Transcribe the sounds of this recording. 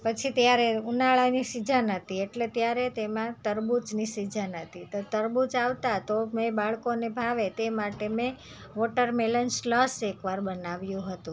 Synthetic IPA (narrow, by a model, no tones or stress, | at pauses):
pət͡ʃʰit̪jaɾeunaɭanisid͡ʒʱanət̪ieʈlet̪jaɾet̪emãt̪əɾbut͡ʃnisid͡ʒʱanət̪ʰit̪ot̪əɾbut͡ʃaʋt̪at̪omẽbaɭkonebʱaʋet̪emaʈemẽ | ʋoʈəɾmelənslɔsekʋaɾbənaʋjũɦət̪ũ